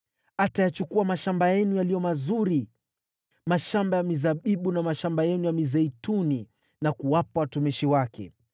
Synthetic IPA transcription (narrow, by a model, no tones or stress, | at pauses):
atajat͡ʃukuamaʃambajɛnujalijɔmazuɾi | maʃambajamizaɓiɓunamaʃambajɛnujamizɛituni | nakuwapawatumiʃiwakɛ̰